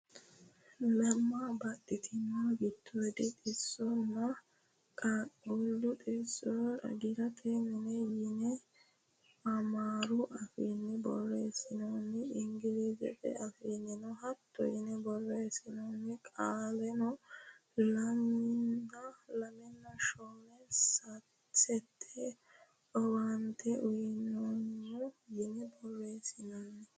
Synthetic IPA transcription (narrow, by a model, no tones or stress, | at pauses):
lɐmːabɐɗɪt̪ʰɪmːaɡɪt̪ʰːɔd̪ɛt̪ʼɪsːɔnːɐ | kʼakʼulːʊt̪ʼɪsːɔɐ̰ɡɪɾɐt̪ʰɛmɛnɛjinɛ | ɐmaːɾʊʔɐfinːɛbɔrːɔɛsɪnonːɪːŋɡɪliːzɛ̰ɗɛ̰ɐfiːnːɛnɔɦɐt̪ʰːɔ̰jɪnɛbɔrːesɪnɔnːɛkʼaːlɛnɔ | lɐmɪnːɐlɐmɛnːɐʃɔnɛsɐ | sɛt̪ʰːɛ | ɔwant̪ʰɛʔʊjɪnɔnːɛjɪnɛbɔrːesɪnaːnɛ